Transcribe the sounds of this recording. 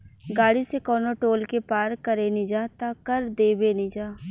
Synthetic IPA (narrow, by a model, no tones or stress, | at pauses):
ɡaːɽisekɔːnoʈoːlkepaːɾkɐɾenĩd͡ʒaːt̪aːkɐɾd̪eːbeːnĩd͡ʒaː